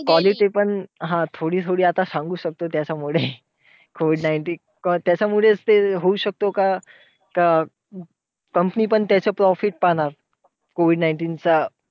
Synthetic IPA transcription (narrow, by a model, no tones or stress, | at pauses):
kʋɔliʈipəɳɦãt̪ʰoɽiːt̪ʰoɽiːat̪asãŋɡuːɕək̚t̪ot̪jat͡ɕamuɭe | koʋiɖnajɳʈiː | kɔt̪jat͡ɕamuɭet͡st̪eɦouɕək̚t̪oka | ka | kəmpəniːpəɳt̪jat͡ɕəːpɾɔfiʈ̚paɽ̃aɾ | koʋiɖnajɳʈiːnt͡sa